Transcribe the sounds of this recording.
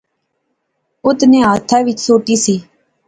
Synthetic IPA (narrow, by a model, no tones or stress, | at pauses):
ʊt̪nẽːɦaːt̪ʰaːʋɪt͡ʃsoːʈ̪iːsiː